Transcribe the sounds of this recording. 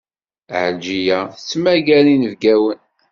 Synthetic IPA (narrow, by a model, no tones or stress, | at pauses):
ʕəd͡ʒijæθt͡sːmæɡælinəvɡæwən